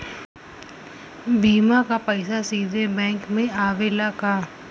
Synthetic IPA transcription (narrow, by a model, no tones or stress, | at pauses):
bʱiːmakapəɪsasiːd̪ebɛ̃ːŋkmẽaːʋeːlakaː